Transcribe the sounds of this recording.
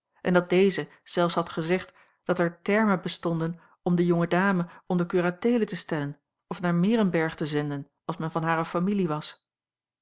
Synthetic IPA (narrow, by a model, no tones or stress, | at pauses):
ʔɛndɑt̚dejzə | z̥ɛlˠfsɦɑtχəzɛχt | d̥ɑtɛɹtɛɹməbəstɔndən | ɔmdəjɔŋədaːməʔɔndəkyːratejlətəstɛlən | ɔfnaːɹmɪːɾənbɛɹχtəzɛndən | ɑlˠsmɛnvɑnɦaːɾəfamiliʋɑs